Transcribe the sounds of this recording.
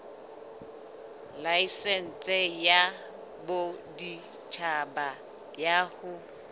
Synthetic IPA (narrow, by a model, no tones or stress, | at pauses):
laisɛn̩t͡sʼɛja | bodi | t͡ʃʰaba | jahʊ